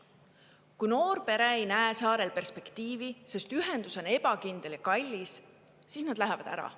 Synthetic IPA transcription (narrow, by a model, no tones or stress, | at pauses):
kujno̞ːrpe̞ɾeejnæesɑːɾe̞lpe̞rspe̞kt̪iːvise̞st̪yɦend̪̥uso̞ne̞b̥ɑkind̪̥elikɑlʲːis | siːsnɑd̪̥læɦevɑd̪æ̰ɾɑ̰